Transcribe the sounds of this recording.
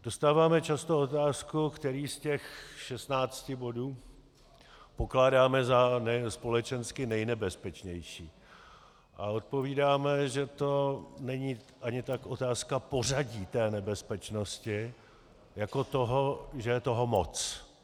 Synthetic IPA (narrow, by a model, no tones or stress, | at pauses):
d̥ost̪aːvaːmɛt͡ʃast̪o̞ot̪aːskukt̪ɛɾiːscɛxʃɛst̪naːt͡scɪbo̞duː | po̞klaːdaːmɛzanɛspo̞lɛt͡ʃɛnskɪnɛjnɛbɛspɛt͡ʃɲɛjʃiː | ʔao̞t̪̚po̞viːdaːmɛʒɛt̪o̞nɛɲiː | ʔaɲɪt̪akʔo̞t̪aːskapo̞raɟiːt̪ɛːnɛbɛspɛt͡ʃnoscɪ | jako̞t̪o̞ɦoʒɛjɛt̪o̞ɦomot͡s